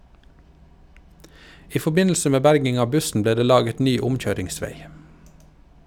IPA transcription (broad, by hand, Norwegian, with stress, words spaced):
ˈiː fɔˈbɪnl̩sə ˈmeː ˈbæɾɡɪŋ ˈɑː ˈbʉsn̩ ˈbleː ˈdeː ˈlɑːɡət ˈnyː ˈʊmˌc͡çøːɾɪŋˌsʋeɪ